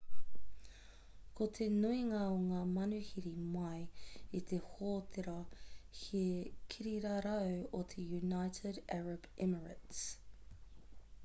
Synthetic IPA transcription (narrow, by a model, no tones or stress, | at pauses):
kʰot̪ʰenuiŋɐoŋaːmɐnʉhiɾimɐjit̪ʰehoːt̪ʰeɾɐhikʰiɾiɾɐɾɐwot̪ʰejunajtʰɪdɛɹɐbɪməɹə̰ts